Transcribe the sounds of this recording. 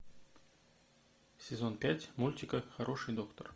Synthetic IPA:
sʲɛzonpʲætʲmulʲtʲikəxaɾʔoʂɨjd̪okt̪ər

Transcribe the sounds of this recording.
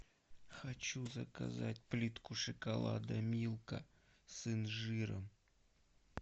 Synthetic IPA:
xɐt͡ɕuzəkɐ̰za̰tʲplʲit̪kʊʂɨkɐlˠa̰d̪ɐmʲilˠkə | sɨnʐɨɾə̰m

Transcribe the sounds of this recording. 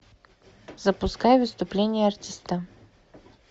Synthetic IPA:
zɐpʊskajɛvɪst̪ʊplʲɛnʲijɛɐɾt̪ʲist̪ə

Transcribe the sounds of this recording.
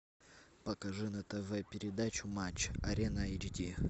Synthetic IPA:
pɐkɐʐɨnɐt̪ɛvɛpʲɪɾʲɪd̪at͡ɕʊmat͡ɕːɐɾʲenəɐjd͡ʑdʲi

